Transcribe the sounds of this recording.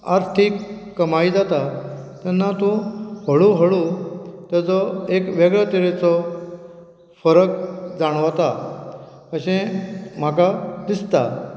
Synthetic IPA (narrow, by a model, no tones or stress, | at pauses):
a̰ɾt̪ʰikː | əmaid͡zat̪a | t̪anːat̪ũhəɭũɦəɭut̪at͡sɔekʋeɡɭət̪iɭet͡sɔ | fəɾəkd͡zaɽ̃ʋat̪a | kəɕẽm̤akad̪ist̪a̰